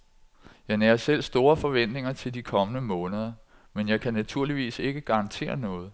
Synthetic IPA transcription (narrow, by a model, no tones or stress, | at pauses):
jɑ̈ɪnæɐsel̰sd̥o̝ːɐfɒ̽ʋen̰d̥ne̝ŋɐt͡sʰe̝ld̥ikʰɒ̽mənəmɔ̽ːnəðˠɐ | menjɑ̈ɪkʰænæt͡sʰuɐ̰liʋḭːse̝ɡ̥əɡ̥ɑ̈ʁɑ̈nt͡sʰe̝̰ːɐnɔ̽ːð̞̩ˠ